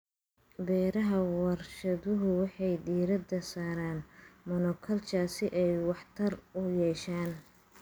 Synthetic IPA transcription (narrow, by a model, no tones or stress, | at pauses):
bɛːɾɐɦɐwɐrʃɐðʊɦʊwɑħɑjd̪iːɾɐd̪ɐsaːɾaːnmɔnɔkʰɐlt͡ʃaːsɪʔɛjwɑħt̪ʰɐrʊjɛːʃaːn